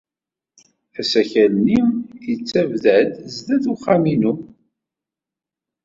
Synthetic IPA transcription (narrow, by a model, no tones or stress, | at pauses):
æsæçælnimət͡sːævðæd̪zðæðuχːaminu